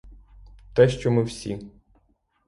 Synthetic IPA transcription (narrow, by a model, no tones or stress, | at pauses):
t̪ɛʃt͡ʃɔmɪwsʲḭ